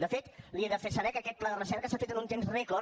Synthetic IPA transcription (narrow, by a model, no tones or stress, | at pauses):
d̪əfet̪lieðəfesəɾɛkəkɛt̪̚plaðərəsɛɾkəsafet̪ənunt̪enzrekɔ